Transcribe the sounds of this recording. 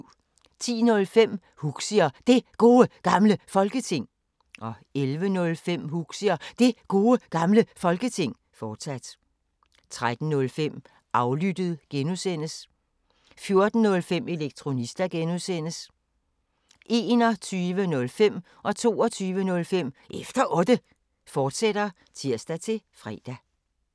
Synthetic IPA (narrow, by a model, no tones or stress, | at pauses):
t͡sʰḭːnɔ̽lfem̰ | huɡ̥siɐd̥e̝ɡ̥o̝ːəɡ̥ɑ̈mləfɒ̽lɡ̥ət͡sʰe̝ŋ̰ | ʔɒ̽ | elʋənɔ̽lfem̰huɡ̥siɐd̥e̝ɡ̥o̝ːəɡ̥ɑ̈mləfɒ̽lɡ̥ət͡sʰe̝ŋ̰ | fɒːd̥sæd̥ | t͡sʰʁad̥n̩nɔ̽lfem̰ | ʔɑ̈ʊlyd̥əð̞̩ˠɡ̥enusen̰əs | fjo̝ɐd̥n̩nɔ̽lfem̰e̝leɡ̥̚t͡sʰʁo̝nisd̥æɡ̥enusen̰əs | ʔe̝ːnɒt͡sʰyːʋənɔ̽lfem̰ | ʔɒ̽t͡sʰo̝̰ːɒt͡sʰyːʋənɔ̽lfem̰ʔefd̥ɐʔɔ̽d̥ə | fɒːd̥sed̥ɐ | t͡sʰiɐ̰sd̥æt͡sʰe̝fʁɛ̰ːd̥æ